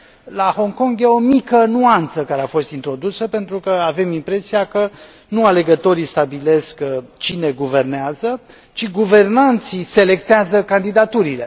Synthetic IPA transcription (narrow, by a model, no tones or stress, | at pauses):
laho̞ŋko̞ŋɡjeo̞mikənuant̪səkaɾeafo̞st̪int̪ɾo̞d̪usəpe̞nt̪ɾukəave̞mimpɾe̞sijakə | nuale̞ɡət̪o̞ɾist̪abile̞skt͡ʃine̞ɡuve̞rneazə | t͡ʃiɡuve̞rnant̪sise̞le̞k̚t̪eazəkand̪id̪at̪uɾile̞